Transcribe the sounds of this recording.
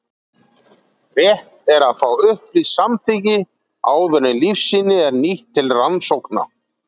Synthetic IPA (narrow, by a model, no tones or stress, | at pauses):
rɛht̪ɛɾaðfaːwʏhplisamθicɪ | aːwvɛɾnɪlifsːiːnɪɛɾniht̪ʰːɪlransowkna̰